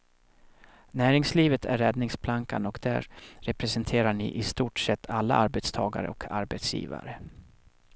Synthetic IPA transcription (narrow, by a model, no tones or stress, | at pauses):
næːɾɪŋsliːvət̪ʰæ̰ɾːɛd̪nɪŋspʰlaŋkanɔkd̪̥æ̰ɾɾɛpɾɛsɛnt̪ʰeːɾaɳɪ̰ʔɪst̪uːʈʂɛt̪ʰːalːa̰ʔaɾbɛt̪st̪ʰɑːɡa̰ɾə̰ɔkʰaɾbɛt̪sjḭːva̰ɾə